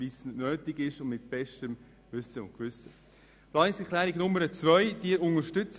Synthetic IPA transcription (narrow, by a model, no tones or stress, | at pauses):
isn̩nøːtɪɡɪʃʊnmɪt̚b̥ɛʃtəm | vʏsəʊ̰ntkʋʏsə | plɑɪsɛkʰlæːɾiɡnʊməɾət͡svœʏd̥iəɾʊnəɾʃtʏt͡s